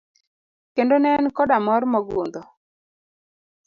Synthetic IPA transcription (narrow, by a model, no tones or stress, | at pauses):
kendonɛnkɔdamɔrmɔɡṵnd̪ɔ